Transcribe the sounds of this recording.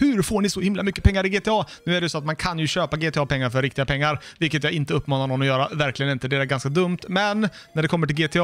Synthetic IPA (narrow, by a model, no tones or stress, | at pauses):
hɵɾfoːɳɪsɔhɪmlamʏkːə̥pʰɛŋːaɾɪɡeːt̪ːɑːnʉ̟ːæɖɛjsɔat̪mankʰanjɵɕøːpaɡeːt̪ʰɛɑːpʰɛŋːaɾfœɾɪkt̪ɪɡapʰɛŋːaɾvɪlkːət̪̬jaːɡɪnt̪əɵpːmɑːnaɳɔnːɔjœːɾavæɾklɪɡənɪnt̪əd̪ɛæɾɡanskad̪ɵmt̪mɛnnːæɖɛkʰɔmːəʈɪlɡeːt̪ʰe